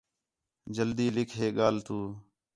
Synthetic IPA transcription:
d͡ʒəld̪iːlɪkʰɦeːɠaːlt̪uː

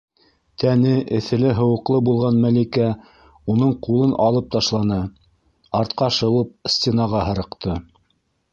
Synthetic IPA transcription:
t̪ænɘʔɘ̆θɘ̆lɘɦɤ̆wɤ̆qlˠɤbulˠʁɑnmælikæ | unɤɴqulˠɤnʔɑlˠɤp̚t̪ɑʃlˠɑnɤ | ɑɾt̪̚qɑʃɤ̆wɤp̚sʲt̪ʲenɑʁɑɦɤ̆ɾɤ̆qt̪ɤ

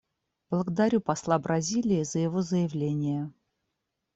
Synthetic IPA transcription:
b̥lˠəɡəd̪aɾʲupɐslˠabɾɐzʲilʲɪːzəjɪvozəjɪvlʲenʲɪjə

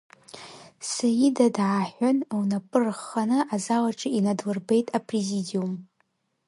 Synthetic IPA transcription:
sajidadʕaħʷanawnapʼɨrχanɨʔazalaʈ͡ʂʼɨinadlɨrbe̞jtʼapʼrezidium

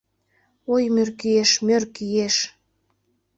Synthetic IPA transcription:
ojmørkieʃmørkijeʃ

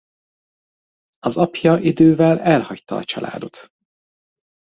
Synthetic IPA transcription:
ɒzɒpjɒʔid̪øːvɛlɛlhɒct̪ɒːt͡ʃɒlʔa̰ːd̪o̞t̪

